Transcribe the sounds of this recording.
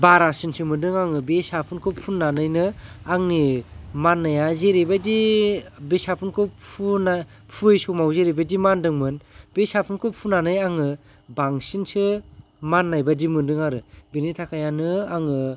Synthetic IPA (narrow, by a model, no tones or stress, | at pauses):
baɾasinsɯmɯndɯŋaŋɯbesapʰunkʰɯpʰunːanɯjnɯaŋnimanːajazeɾebadi | besapʰɯnkʰɯpʰuna | pʰuejsumawzeɾebadimandɯŋmɯnbesapʰunkʰɯpʰunanɯjaŋɯ | baŋsinsɯ | manːajbadimɯndɯŋaɾɯbenitʰakʰajanɯaŋɯ